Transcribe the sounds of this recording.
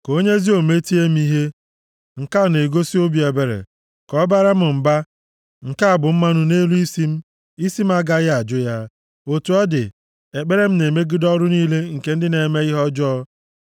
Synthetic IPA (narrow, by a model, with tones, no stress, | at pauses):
ko˦ɲe˦zi˦o˨me˦ti˦e˦m̩˦i˦ɦe˦ | ŋ̩˨ka˦˨ne˨ɡo˦si˦o˦bi˨˦e˨be˨ɾḛ˨ | kɔ˨˦ba˦ɾa˦m̩˨m̩˨ba˦ | ŋ̩˨ka˦a˨bʊ˨m̩˦ma˦nʊ˦ne˦lu˦i˦si˦m̩˦ | i˦si˦m̩˦a˦ɡa˦ja˨d͡ʒʊ˦ja˦ | o˨tu˨ɔ˦dɪ˨ | e˨k͡pe˦ɾe˦m̩˦ne˨me˦ɡɪ˦dɔ˦ɾʊ˦niː˦le˦ŋ̩˨ke˦n̩˦dɪ˦ne˨me˦ɪ˦ɦɔ˦d͡ʒɔ˦